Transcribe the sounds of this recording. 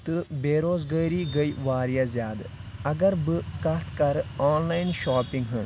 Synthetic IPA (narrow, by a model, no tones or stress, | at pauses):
t̪ɨbeːɾoːzɡəjɾiːɡɐjʋaːɾijazjaːd̪ɐɡɐɾbɨkɐt̪ʰkɐɾaːnlaːjnʃaːpĩŋɡɦɐ̃n